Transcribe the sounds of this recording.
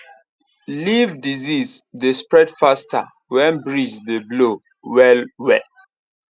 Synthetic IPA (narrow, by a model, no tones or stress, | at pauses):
livdizisdespɹɛdfasta̰ | wɛ̃nbɹid͡ʒdeblo | wɛlwɛ